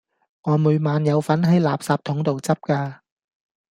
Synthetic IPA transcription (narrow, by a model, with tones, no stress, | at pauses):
ŋɔː˨˧mu˨˧jmaː˨˧njɐ˨˧wfɐ˨˥nɦɐ˨˥jlaː˨p̚saː˧p̚t̪ʰʊ˨˥ŋt̪o˨wt͡sɐ˥p̚kaː˧